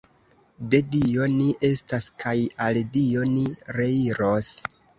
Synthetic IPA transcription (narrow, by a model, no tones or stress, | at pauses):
de̞dio̞niʔe̞staskajaldio̞niɾe̞iɾo̞s